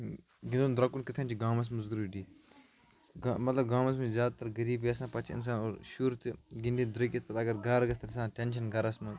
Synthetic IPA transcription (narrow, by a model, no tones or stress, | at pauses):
ɡind̪ond̪ɾɐkunkɪt̪ʰɐːnt͡ʃʰiɡãːmɐs̬muzɡuɾuːɖiː | ɡmɐt̪lɐb̚ɡaːmɐs̬mɐzjaːd̪at̪ɐɾɡɐɾiːbiɐsãːpɐt͡ʃʰiɪ̰ns̬aːnoːɾʃuɾt̪ɡind̪id̪ɾɐkʲɐt̪pɐt̪aːɡɐɾɡɐɾɡɐst̪ʰɐlsãːʈenʃ̬ɐnɡɐɾɐsmɐz